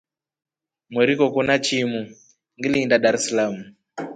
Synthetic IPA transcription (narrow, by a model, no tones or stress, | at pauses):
mwɛɾikɔkunat͡ʃimu | ŋɡilindaɗaɾɛsalamu